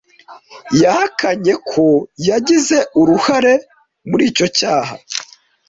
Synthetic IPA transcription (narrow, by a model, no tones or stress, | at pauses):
jahakʰaɲe̞kʰo̞jaɟize̞ʔuɾuhaɾe̞ | muɾiːco̞caːha̰